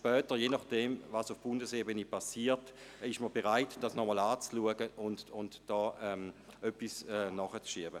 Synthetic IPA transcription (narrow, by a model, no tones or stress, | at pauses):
ʃpœːtəʁjenɑχd̥ɛmvasʊfb̥ʊndəsebənəpʰasiːtɪʃməbeʁaɪtd̥asnɔmɔlaːt͡sluəɡəʔʊntʊntd̥ɔːʔɛm | œpːisɛnɔχət͡sʃiəbə